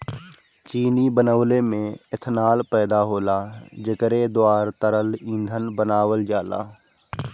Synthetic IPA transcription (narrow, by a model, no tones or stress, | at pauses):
t͡ʃiːniːbənəʋleːmẽːɪt̪ʰnaːlpɛːd̪aːɦoːlaːd͡ʒəkəɾeːd̪oaːɾt̪əɾəlĩːnd̪ʱənbənaːʋəld͡ʒaːla̰ː